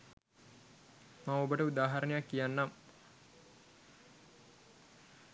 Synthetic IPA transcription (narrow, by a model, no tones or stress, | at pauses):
maŋobəʈəud̪aːɦaɾənejakːijanːam